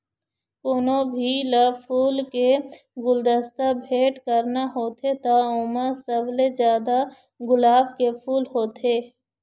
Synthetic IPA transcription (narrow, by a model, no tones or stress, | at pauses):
poːnobʱilapʰuːlke | ɡʊld̪əst̪abʱeːʈkəɾnaɦoːt̪ʰet̪aʊməsəblezjaːd̪a | ɡʊlaːbkepʰuːlɦoːt̪ʰeː